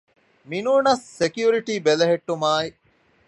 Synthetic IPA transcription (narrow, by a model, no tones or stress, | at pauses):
minuːnɐsːekjuːɾiʈiːbelɐɦeʈːumaːi